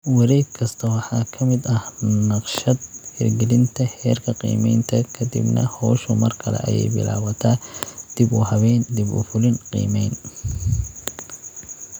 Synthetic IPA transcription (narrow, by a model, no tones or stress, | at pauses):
wɑɾɛjɡkʰɐst̪ʰɐwɑħɑːkʰɐmɪd̪ɐhnɑqʃɐd̪̚hɛrɡɛlɪnt̪ʰɐhɛːrkʰɐqḭːmɛjnt̪ʰɐkʰɐd̪ḭbnɐ̰hɔːʃʊmɐrkʰɐlɛ̰ʔɐ̰jɛ̰jbɪ̰la̰ːwɐt̪ʰad̪̥ɪbʊhɐβɛjnd̪ɪbʊ̰fʊlɪnqḭːmɛjn